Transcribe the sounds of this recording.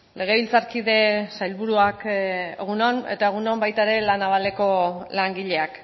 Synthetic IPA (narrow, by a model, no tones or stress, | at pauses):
lʔe̞ɣ̞e̞βilt͡saɾkiðe̞sajlβuɾuakeɣunone̞̰t̪aeɣ̞unombajt̪aeɾe̞lanaβale̞ko̞laŋɡiʎe̞ak